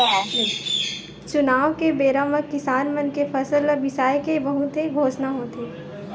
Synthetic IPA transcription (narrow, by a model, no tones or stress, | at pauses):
t͡ʃʊnaːʋkebeːɾaməkːɪsaːnmənkepʰɐsəlɔɾʋɪsaːjkebɐɦũt̪ʰeɡʱoːsnaɦoːt̪eː